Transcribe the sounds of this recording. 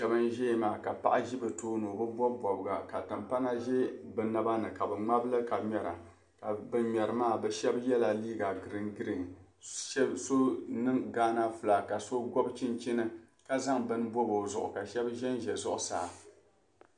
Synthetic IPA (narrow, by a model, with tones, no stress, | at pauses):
ʃɛ˨bɨ˦nʒɛ˦maː˨ka˨pa̰˦ʔa˦ʒi˦bɨ˨toː˦no˨bɨ˦bɔ˦bɔ˨bɡa˨ka˨tɨ˨mpa˦ŋa˦ʒɛ˦bɨ˨na˨ba˦nɨ˨ka˨bɨ˨ŋ͡ma˦blɨ˦ka˨mɛ˨ɾa̰˨ | ka˨bɨ˦ɲɛ˨ɾɨ˨maː˦˨bɛ˨ʃɛ˦bjɛ˦la˨liː˦ɡa˨ɡɨ˨ɾɨ˨ŋɡɨ˦ɾɨ˨ŋ˨˦ | so˦nɨ˦ŋɡaː˦na˦fɨ˨la˨ka˨so˦ɡɔ˦bt͡ʃi˦nt͡ʃi˦nɨ˦ | ka˦za˦ŋbɨ˦n˦bɔ˦bo˨zʊ̰˨ʔʊ̰˨ka˨ʃɛ˦bʒɛ˦nʒɛ˨zʊ˦ʔʊ˨saː˦